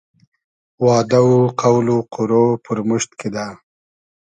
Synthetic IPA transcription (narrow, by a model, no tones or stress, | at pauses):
wɑːd̪auqawluqʊɾopəɾmʊʃt̪ked̪a